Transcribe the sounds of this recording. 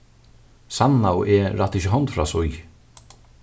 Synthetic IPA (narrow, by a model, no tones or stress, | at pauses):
sanːawʔɛɾaht̪ɪçɪɦɔnt̪fɾasʊj